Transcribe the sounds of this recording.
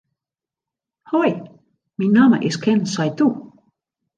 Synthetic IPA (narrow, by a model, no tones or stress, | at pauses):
hɔj | minːɑmə̰ʔeskʰɛnsajt̪u